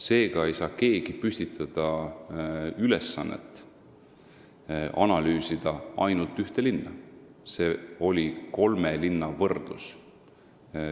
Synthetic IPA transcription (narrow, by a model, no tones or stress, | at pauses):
se̞ːɡ̥ɑe̞jsɑːke̞ːɡ̥ipysʲt̪it̪ʰːˑɑd̪̥ɑ | ylesːɑnːḛt̪ːˑ | ʔɑnɑlyːsid̪̥ɑʔɑ̰jnult̪yht̪e̞linːɑ | se̞ːo̞lʲiko̞lmelinːɑvɤrd̪̥lṵs